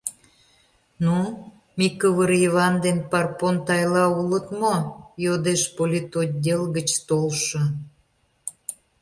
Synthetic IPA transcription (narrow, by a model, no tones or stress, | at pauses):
nu | mʲikəβəɾiβɑnd̪enpɑrpont̪ɑjlɑulət̪mojod̪eʃpolʲit̪od̚ʲdʲelɣət͡ɕt̪olʃə̆